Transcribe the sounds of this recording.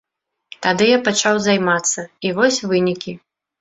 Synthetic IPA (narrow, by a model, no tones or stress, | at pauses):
t̪ad̪ɨjapat͡ʂawzajmat̪sːɐivɔsʲvɨnʲikʲi